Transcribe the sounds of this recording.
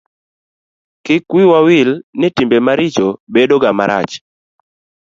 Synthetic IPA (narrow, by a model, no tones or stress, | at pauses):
kɪkwiwawɪlnɪtimbemaɾɪt͡ʃobedoɡama̰ɾa̰t͡ʃ